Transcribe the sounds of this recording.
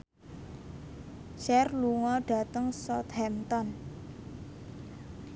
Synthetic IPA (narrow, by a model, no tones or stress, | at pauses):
ʃɛrluŋɔɖ̥ä̤t̪əŋsɔt̪hɛmt̪ɔn